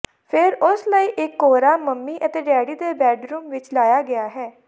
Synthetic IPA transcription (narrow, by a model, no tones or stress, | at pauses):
pʰɪɾʊsləiːʔɪkːoːɾaːməmːiːʔət̪eːɖɛːɽiːd̪eːbɛːɖɾuːmʋɪt͡ʃlaːjaːɡɪaːɦɛː